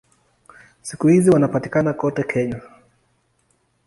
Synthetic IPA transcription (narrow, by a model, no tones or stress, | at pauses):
sikuhiziwanapatikanakɔtɛkʰɛɲa